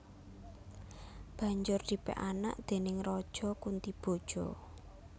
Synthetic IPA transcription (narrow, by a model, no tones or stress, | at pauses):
b̥ä̤ɲd͡ʒʊrd̪i̤pɛ̰ʔana̰ʔd̪̥e̤nɪŋrɔd̥ʒ̥ɔkunt̪ib̥o̤d̥ʒ̥ɔ